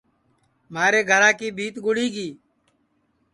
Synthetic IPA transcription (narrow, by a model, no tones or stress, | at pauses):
maːɾeːɡʱəɾãːkiːbʱiːt̪ɡʊɽiːɡiː